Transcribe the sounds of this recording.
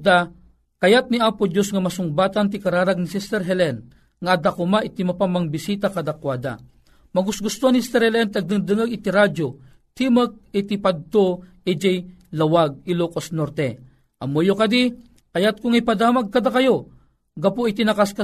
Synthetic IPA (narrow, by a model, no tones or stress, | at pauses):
d̪a | kɐjat̪̚niaːpod͡ʒosŋɐmɐsʊŋbaːt̪ant̪̬ikɐɾaːɾaɡ̚nisist̪ɛɾɦɛlɛn | ŋaʔɐd̪akʊmaʔit̪imapamɐŋbisiːt̪akɐd̪akwaːd̪a̰ | mɐɡʊsɡʊst̪oanist̪ɛɾhɛlɛnt̪ɐɡ̚d̪ɨŋd̪ɨŋəɡɪt̪iɾad͡ʒo | t̪imək̚it̪ipad̪̚t̪o | id͡ʒɛj | lɐwaɡ̚ilokosnoɾt̪ɛ | ʔɐmojokɐd̪i | kɐjat̪̚kʊŋɐjpɐd̪aːmaɡ̚kɐd̪akɐjo | ɡɐpoit̪inɐkaska